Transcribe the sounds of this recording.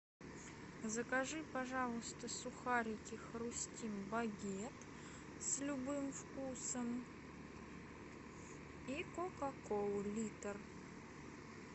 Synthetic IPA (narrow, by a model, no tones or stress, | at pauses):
zəkɐʐɨpɐʐalˠʊst̪əsʊxaɾʲɪkʲɪxɾʊsʲtʲimbɐɡʲet̪ | sʲlʲʊbɨmfkusəm | ikokɐkolˠʊlʲit̪ər